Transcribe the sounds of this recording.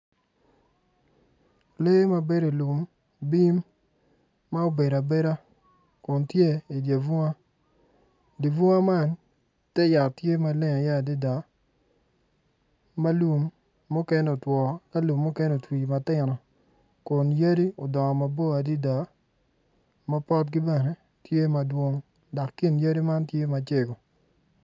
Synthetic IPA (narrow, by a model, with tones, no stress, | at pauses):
le˦ma˦be˦ɾe˨lu˨m | bi˦mː | a˦o˦be˨ɾa˨be˦ɾa˦ | kʊ˨ntje˦i˨dja˨vu˦a˦ | di˨vu˦a˦ma˦n | tɛ˦ja˨tje˦ma˨le˦ŋa˨ja˦˨di˦da˨˦ | ma˦lu˨mː | u˦kɛ˦no˨twɔ˨ka˦lu˨mːu˦kɛ˦nɛo˨twi˨ma˨tɪ˦˨nɔ˨ | kʊ˨njɐ˦di˦o˨dɔ˨ŋɔ˨ma˨bo˦a˨di˦da˨ | ma˦pɔ˦t̚ɡi˦bɛ˦˨ne˨ | tje˦ma˨dwo˦ŋ | da˨kːi˦nja˦di˦ma˦ntje˦ma˨t͡ʃe˦ɡo˨